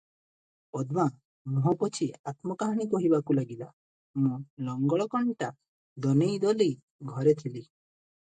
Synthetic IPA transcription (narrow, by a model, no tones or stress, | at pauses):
ɔd̪ma | mɔɦɔpɔt͡ʃʰiat̪mɔkaɦaɽ̃ikɔɦibakulaɡila | mũlɔŋɡɔɭɔkɔɳʈa | d̪ɔnejd̪ɔlij | ɡʱɔɾet̪ʰili